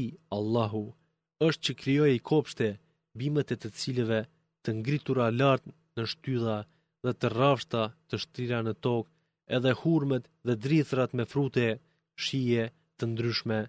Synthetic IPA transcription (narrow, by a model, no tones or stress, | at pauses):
alˠːaɦu | əʃt̪̚t͡ɕəkɾijɔjikʰɔpʃt̪ɛ | bimət̪ɛt̪ət͡silɛvɛ | t̪əŋɡɾit̪uɾalaɾt̪ | nəʃt̪yða | ðɛt̪ərafʃt̪at̪əʃt̪ɾiɾanət̪ɔk | ɛðɛhuɾmət̪ | ðɛd̪ɾiθɾat̪mɛfɾut̪ɛ | ʃijɛ | t̪ənd̪ɾyʃmɛ